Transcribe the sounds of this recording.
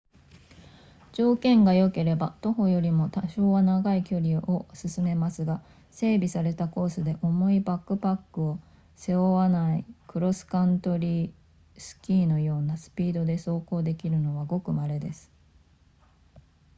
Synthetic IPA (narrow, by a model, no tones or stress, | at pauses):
d͡ʑo̞ːkẽ̞ŋɡajo̞ke̞ɾe̞bat̪o̞ɦo̞jo̞ɾʲimo̞t̪aɕo̞ːβanaɡaikʲo̞ɾʲio̞sɨsɨme̞masɨɡa | se̞ːbʲisaɾe̞t̪ako̞ːsɨd̪e̞ʔo̞mo̞ibakːɯ̟pakːɯo̞ | se̞oβanaikɯ̟ɾo̞sɨ̥kãnt̪o̞ɾʲiː | sɨ̥kʲiːno̞jo̞ːnasɨ̥pʲiːd̪o̞d̪e̞so̞ːko̞ːd̪e̞kʲiɾɯ̟no̞βaɡo̞kɯ̟maɾe̞d̪e̞sɨ̥